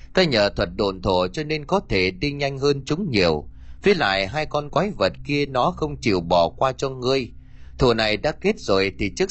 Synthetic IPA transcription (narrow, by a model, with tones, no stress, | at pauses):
t̪aː˧ɲəː˨t̪ʰwə˨˩t̚ɗo˧˩nt̪ʰo˧˩t͡ɕɔ˧ne˧nkɔ˨˦t̪ʰe˧˩ɗi˧ɲa˧jŋ̟ɦəː˧nt͡ɕʊ˨˦ŋ͡mɲḭ˨˩əw | vi˨˦jla̰ː˧˨jɦaː˧jkɔ˧nkwaː˨˦jvə˨˩t̚ki˧ənɔ˨˦xə˧wŋ͡mt͡ɕḭ˧˩wɓɔ˧˩kwaː˧t͡ɕɔ˧ŋɨ˧əj | t̪ʰo˧˨˩na˨˩jɗa̰ː˧˥ke˦˥t̚zo˨˩jt̪ʰi˨˩t͡ɕɨ˦˥k